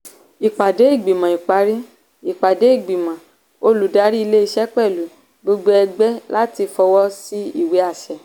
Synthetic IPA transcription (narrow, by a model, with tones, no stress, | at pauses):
i˨k͡pa˨de˨˦i˦˨ɡ͡bi˨mã˨i˨k͡pa˨˧˦ɾĩ˦ | i˨k͡pa˨de˨˦i˦˨ɡ͡bi˨mã˨ | o˧lu˨da˨˦ɾi˦i˧le˦i˧ʃɛ˦k͡pɛ˦˨lu˨ | ɡ͡bo˧ɡ͡bo˧˦ɛ˧ɡ͡bɛ˦la˦ti˧fɔ˧wɔ˦si˦ḭ˦˨we˨˦a˦˨ʃɛ˨